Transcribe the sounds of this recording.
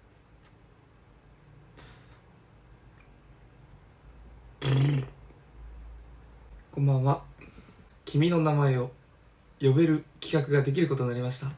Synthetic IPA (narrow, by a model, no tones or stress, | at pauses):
kõ̞mbãɰ̃βa | kʲʰimʲino̞namae̞o̞ | jo̞be̞ɾɯ̟kʲi̥kakɯ̟ɡad̪e̞k̬ʲiɾɯ̟ko̞t̪o̞ɲnaɾimaɕi̥t̪a